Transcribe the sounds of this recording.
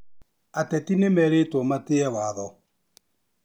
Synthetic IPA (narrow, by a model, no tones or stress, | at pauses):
atɛtinemɛɾetɔmateɛwaðɔ